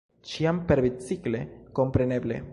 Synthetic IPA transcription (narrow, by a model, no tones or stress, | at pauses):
t͡ʃiampeɾbit͡sikleko̞mpɾeneble̞̰